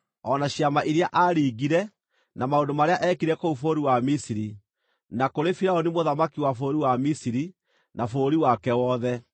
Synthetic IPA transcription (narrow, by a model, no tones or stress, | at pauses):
ɔnaɕjamaʔiɾeaʔaɾiːɡiɾɛ | namaondomaɾeaʔɛːkiɾɛkoufoɾiwamisiɾi | nakoɾefiɾaonimoðamakiwafoːɾiwamisiɾi | nafoːɾiwakɛwɔðɛ